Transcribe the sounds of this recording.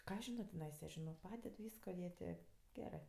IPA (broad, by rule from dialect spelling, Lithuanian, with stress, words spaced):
ˈkɑː ɐʃ ˈʒʲɪnoː tʲɪˈnɐɪsɐ ˈʒʲɪnoːk ˈpɑːdʲɛt ˈʋʲiːskoː jiɛ ˈtʲeː ˈɡʲæːrɜ